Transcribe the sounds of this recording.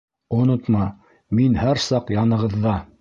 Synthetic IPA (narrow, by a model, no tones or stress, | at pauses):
ŏnot̪mɑ | minhæɾsɑqjɑnɤ̆ʁɤ̆ðːɑ